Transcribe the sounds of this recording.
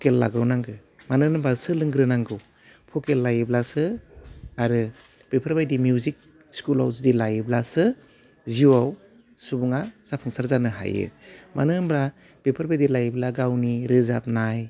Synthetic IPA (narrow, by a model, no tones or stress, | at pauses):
pʰokelːa̰ɡɾawnaŋɡɯ | manɯnbasɯlɯŋɡɾɯnaŋɡɯw | pʰɔkelːajɯblasɯ | aɾɯ | b̥epʰaɾbajdimjuzik̚ | skula̰wzɯdilajɯblasɯ | ziwaw | subuŋasapʰuŋsaɾzanɯɦa̰jɯ̰ma̰nɯnbɾa | b̥epʰaɾbajdilajblaɡawniɾɯzap̚naj